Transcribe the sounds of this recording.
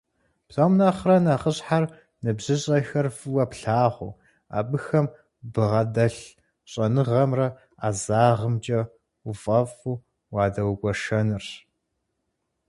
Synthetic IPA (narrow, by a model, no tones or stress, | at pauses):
pɬɐmnaːχrɐnaχəɕħar | nɨbʑɨɕʼɐxɐrfɨwɐpɬaːʁʷṵ | a̰ːbɨxɐm | bɨʁɐdɐɬ | ɕʼɐnɨʁɐmrɐ | aːzaːʁəmt͡ʃʼɐ | ufʼɐfuː | wɑːdɐwɡʷʼɔʃɐnɨr